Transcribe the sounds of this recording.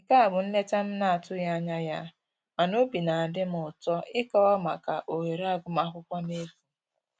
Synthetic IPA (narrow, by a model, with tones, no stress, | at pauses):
ŋ̩˨ka˦a˨ɡ͡bʊ˨n̩˦ne˦ta˦m̩˦na˦a˨tʊ˦ja˦a˦ɲa˦ja˦ | ma˨no˦bi˨na˨a˨dɪ˦m̩˦ʊ˨tɔ˦ɪ˦kɔ˦wɔ˦ma˨ka˨ʔo˨we˨ɾa˦˨ɡʊ˦m˦a˦ɦʊ˦kʷa˦ne˦ku˦